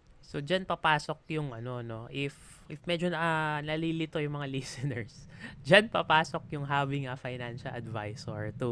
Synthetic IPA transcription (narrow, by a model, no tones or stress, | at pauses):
so̞d͡ʒanpɐpaːso̞k̚jʊŋʔɐno̞no̞ʔɪf | ʔɪfmɛd͡ʒonɐlilɪt̪o̞jʊŋmɐŋalisɛnɛɹsd͡ʒanpɐpaːso̞k̚jʊŋɦaːvɪŋʔɐfajnanʃɐlʔɐd̪va̰jsoɹt̪u